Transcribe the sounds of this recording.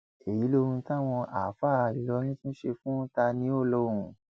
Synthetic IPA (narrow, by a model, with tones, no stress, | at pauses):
e˨ji˨˦lo˧ɾ̃ũ˧ta˦˨w̃ɔ̃˧ʔa̰˨fa˦˨a˨i˨˦lɔ˨˦ɾ̃ĩ˦tũ˦ʃe˧fũ˦ta˧nĩ˦o˦˨lo˦ɾũ˨